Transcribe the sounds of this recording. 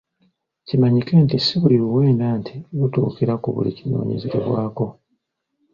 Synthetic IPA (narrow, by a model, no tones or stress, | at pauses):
cimaɲike̞ntisiβuliβuwe̞ːndaːntʰiwutṵːkeɾakuβṵlḭcino̞̰ːɲezeɾḛβwaːko̞